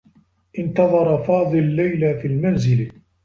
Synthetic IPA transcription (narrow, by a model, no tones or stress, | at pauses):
ʔɪnt̪ɑðˤɑɾˤɑfɑːd̪ˤɨllːajlafiːlmanzɪl